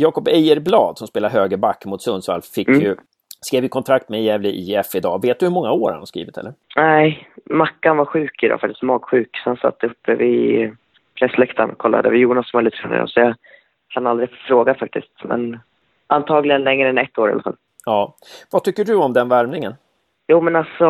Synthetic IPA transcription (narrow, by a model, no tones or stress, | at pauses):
jɑːkɔpɛjəɾblɑ̰ːd̪sɔmspeːlaɾɦøːɡəbakːmʊt̪sɵnd̪sva̰lfɪkjɵ | skɾeːvjəkʰɔnt̪ʰɾak̚t̪mɛjɛːvlɪʔiːɛfɪd̪ɑ̰ːveːt̪̚d̪ɵhɵmɔŋːaoːɾha̰nhaskɾḭːvɪt̪ʰɛ̰lːəɾnæɪmakːanvaɧʉ̟ːkɪd̪ɑ̰ːfakt̪ɪst̪mɑːɡɧʉ̟ːksɔhansa̰t̪ːɵpːəvɪ | pʰɾɛsːlɛkt̪ʰa̰nkʰɔlːa̰d̪ə̰vɪjuːnasmɛlət̪ʰɾɛ̰nə̰ɾɔ̰sɔjɑ | kʰanald̪ɾɪɛfffɾoːɡafak̚t̪ɪst̪mɛ̰n | ʔant̪ʰɑːɡlɪɡənlɛŋːɾəɛnɛt̪ːoːɾja̰la̰fa̰l | ɑː | vat̪ʰʏkːəɖɵɔmd̪ɛnvæɾmnɪŋən | juːmɛnalsɔ